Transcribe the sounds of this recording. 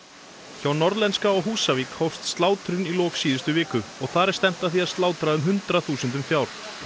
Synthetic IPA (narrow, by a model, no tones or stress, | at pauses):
çawnɔɾðlɛnskaɔɣɦuːsavikʰhɔwst̪st̪laːwt̪ɾʏnilɔːksiːðɪst̪ʏvɪːkʏɔɣθaɾɛɾ̥st̪ɛm̥t̪aθiaðst̪laːwt̪ɾaʏmɦʏnt̪ɾaθuːsʏnt̪̬ʏmfjaːwɾ̥